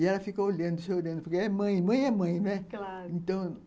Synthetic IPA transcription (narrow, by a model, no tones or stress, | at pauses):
iɛlɐfikɐoʎɐ̃nd̪ʊseolɐ̃nd̪ʊpoɾkeɛmɐ̃j̃mɐ̃j̃ɛmɐ̃j̃nɛlaɾẽnt̪ɐ̃w̃